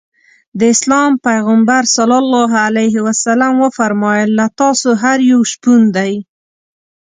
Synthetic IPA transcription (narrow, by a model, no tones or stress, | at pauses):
d̪əɪslɑmpajɣambaɾsalɑlːɑɦalajɦɪwasalamwəfaɾmɑjəlːat̪ɑsoɦaɾjawʃpund̪aj